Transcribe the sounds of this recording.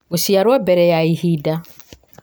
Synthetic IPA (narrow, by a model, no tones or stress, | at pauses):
usiaɾwabɛɾɛjaihida